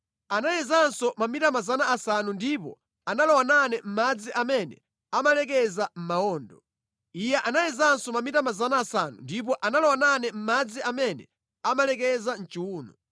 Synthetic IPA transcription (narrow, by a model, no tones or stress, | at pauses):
anajɛzansɔmamitamazanaːsanundipɔ̰ | analɔwananɛm̩mad͡ziʔamɛnɛ̰ | amalɛk̬ɛzam̩maɔːndɔ | ijɛʔanajɛzansɔmamitamazanaːsanṵndip̬ɔʔanalɔwananɛm̩mad͡ziʔamɛnɛ̰ | amalɛkɛzan̩t͡ʃiuːnɔ